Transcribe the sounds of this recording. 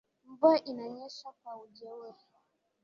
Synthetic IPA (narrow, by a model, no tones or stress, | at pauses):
mbuaʔinaɲɛʃakwaud͡ʒɛwɛ